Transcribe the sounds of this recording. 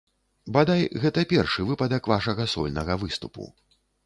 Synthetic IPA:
bad̪ajɣɛt̪ɐpʲɛrʂɨvɨpɐd̪ɐkvaʂɐɣɐsɔ̰lʲnɐɣɐvɨst̪upṵ

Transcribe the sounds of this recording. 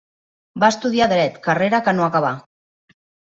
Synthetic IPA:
baəst̪uð̞iaðɾɛt̪kareɾakənoakaβ̞a

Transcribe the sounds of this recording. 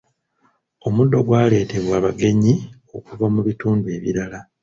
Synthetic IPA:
o̞mudːo̞ɡwaːle̞ːte̞βwaːβaɡe̞ɲi | o̞kuvamuβituːndue̞βḭɾala

